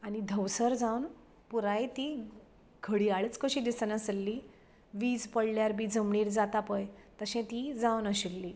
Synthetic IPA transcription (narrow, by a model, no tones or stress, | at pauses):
anid̪ʱəwsəɾd͡zawn | puɾajt̪i | ɡʰʱəɽiːaɭət͡skəɕiːd̪isənəsəlːi | ʋiːd͡zpəɽljaɾbʱiːd͡zʱəmɳiːɾd͡zat̪apəjt̪əɕɛ̃t̪id͡zawnəɕilːiː